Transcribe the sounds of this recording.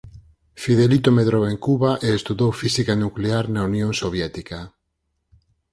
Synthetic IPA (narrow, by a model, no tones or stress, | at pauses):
fiðelit̪omeðɾoweŋkuβaʔeːst̪uðowfisikanukleaɾnaunjõŋsoβjɛt̪ika